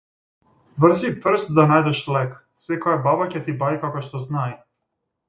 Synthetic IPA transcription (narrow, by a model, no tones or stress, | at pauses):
vr̩zipr̩st̪d̪anajd̪ɛʃlɛk | svɛkɔjababacɛt̪ibaikakɔʃt̪ɔznaj